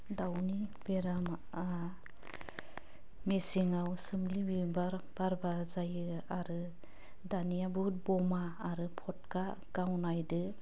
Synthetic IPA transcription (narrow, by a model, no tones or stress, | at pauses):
dawnib̥eɾam | a | mesiŋawsɯmlibibaɾb̥aɾbazajɯaɾɯ | danijabut̚bɔmaːɾɯpʰɔt̚ka | ɡ̥awnajdɯ